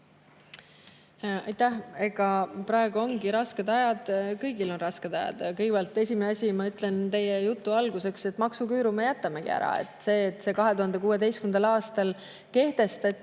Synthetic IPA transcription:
ɑjt̪æhe̞ɡ̥ɑpɾɑe̞ɡ̥uo̞ŋɡiɾɑske̞d̪ɑjɑd̪̥kɤjɡilo̞nrɑske̞d̪̥ɑjɑ̰d̪̥kɤjɡepælt̪ːˑe̞sʲimineɑsʲimɑyt̪ˑle̞nt̪e̞jejut̪ːˑuɑlɡ̥use̞kse̞t̪ːˑmɑksukyːɾumejæt̪ːˑɑmeɡ̥ḭæ̰ɾɑ̰e̞̰t̪ːˑse̞ːt̪ːˑse̞kɑɦe̞t̪uhɑnd̪e̞kuːe̞d̪e̞jst̪kynd̪ɑlɑːst̪ɑl | ke̞ht̪e̞st̪ɑt̪ː

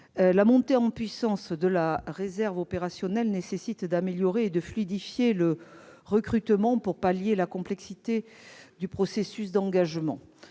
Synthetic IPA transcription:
lamɔ̃t̪eɑ̃pɥisɑ̃sd̪əlaʁezɛʁvɔpeʁasjɔnɛlnesesit̪d̪ameljɔʁeːd̪əflyd̪ifjeləʁəkχyt̪mɑ̃puʁpaljelakɔ̃plɛksit̪e | d̪ypχɔsesysd̪ɑ̃ɡaʒmɑ̰̃

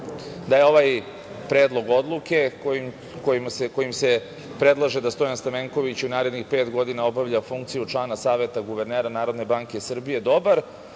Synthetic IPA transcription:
d̪aje̞o̞ʋaj | pɾeːd̪lˠo̞ɡo̞d̪lˠuke̞ | kojimseko̞jimse̞ | pɾe̞d̪lˠaʒe̞d̪ast̪o̞janst̪ameŋko̞ʋit͡ɕunaːɾe̞d̪nixpe̞ːt̪ɡo̞d̪inao̞baʋʎafuŋkt̪sijut͡ʂlˠaːnasaːʋe̞t̪aɡuʋe̞ɾneːɾanaːɾo̞d̪ne̞baːŋke̞sr̩bije̞d̪o̞baɾ

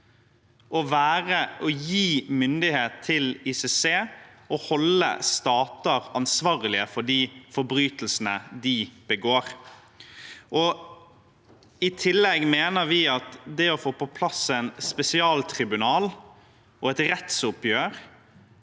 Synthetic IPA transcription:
ʔɔʋæːɾəʔɔjiːmʏnd̪ɪheːt̪ʰːɪlisɛseːɔhɔlːə̰st̪ɑːt̪əɾɑnsʋɑːɾəlɪəfɔɖiːfɔɾbɾyːt̪əl̩sənəd̪ɪb̥əɡoːɾ | ɔ | ɪt̪ʰɪlːɛɡmeːnəɾʋɪɑt̪d̪ɛɔfoːpɔpʰlɑsɛɪnspɛsɪɑːlt̪ʰɾɪbʉnɑːl | ɔɛt̪ɾɛt̪sʊpjøːɾ

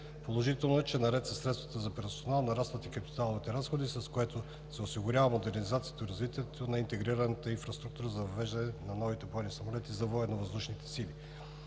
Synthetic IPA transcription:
polˠoʒit̪ɛlˠnoɛt͡ʃɛnɐɾɛt̪sɐsɾɛt̪t̪vɐt̪əzɐpɛɾsonalˠnɐɾast̪vət̪ikɐpi̥t̪alˠovit̪ɛɾasxod̪isɐskoɛt̪o | sɛosiɡʊɾʲjavəmod̪ɛɾnizat̪sijət̪oiɾɐzvit̪iɛt̪onɐint̪ɛɡɾiɾɐnət̪əinfɾɐst̪ɾukt̪uɾəzɐvɐvɛʒd̪ɐnɛnɐnɔvit̪ɛbɔjnisɐmolɛt̪izɐvoɛnovɐzd̪uʃnit̪ɛ̥sili

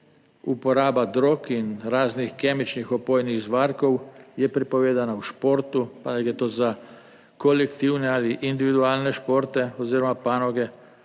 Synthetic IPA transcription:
upɔɾaːbad̪ɾokinɾaːznixkeːmit͡ʃnixɔpojniɣzʋaːɾkowjɛpɾipɔʋeːd̪anauʃpoɾt̪upanɛɡɾɛt̪oːza | kolɛkt̪iwnɛaliʔind̪iʋid̪uaːlnɛʃpoɾt̪ɛoziːɾɔmapanɔɡɛ

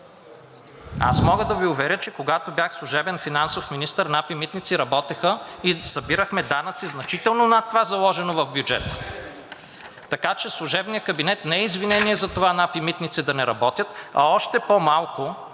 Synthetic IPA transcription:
a̰smɔɡəd̪ɐviʊvɛɾʲət͡ʃɛkoɡat̪objaxslˠʊʒɛbɛnfinansofminist̪əɾnapimit̪nit̪siɾɐbɔt̪ɛxəisɐbiɾəxmɛd̪anət̪siznɐt͡ʃit̪ɛlˠnonɐt̪ːovazɐlˠɔʒɛnovɐvbʲjud͡ʒɛ̰t̪ə̥ | ɐkat͡ʃɛslˠʊʒɛbnijəkɐbinɛt̪nɛɛizvinɛniɛzɐt̪ovanapimit̪nit̪sid̪ɐnɛɾɐbɔt̪ʲjət̪ɐ̰ɔʃt̪ɛpomalˠkʊ

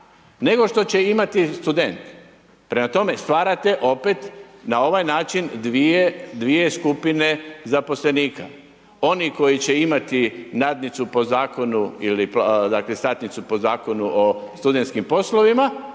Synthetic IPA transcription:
ne̞ɡo̞ʃt̪o̞t͡ɕe̞imat̪ist̪ud̪e̞nt̪ | pɾe̞mat̪o̞me̞st̪ʋaːɾat̪e̞ʔo̞pe̞t̪nao̞ʋajnaːt͡ʃind̪ʋied̪ʋije̞skupine̞zapo̞sle̞niːkʰa̰ | o̞niko̞jit͡ɕe̞imat̪inaːd̪nit̪supo̞zaːko̞nuilipd̪aklest̪aːt̪nit̪supo̞zaːko̞nuʔost̪ud̪e̞nt̪skimpo̞slo̞ʋima

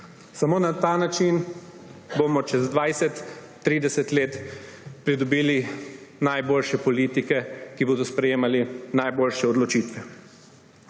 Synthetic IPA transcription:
samoːnat̪aːnat͡ʃin | boːmɔt͡ʃɛzd̪ʋajsɛt̪ː | ɾiːd̪ɛsɛt̪leːt̪ | pɾid̪ɔbiːli | najboːlʃɛpɔliːt̪ikɛkiboːd̪ɔspɾɛjeːmalinajboːlʃɛɔd̪lɔt͡ʃiːt̪ʋɛ

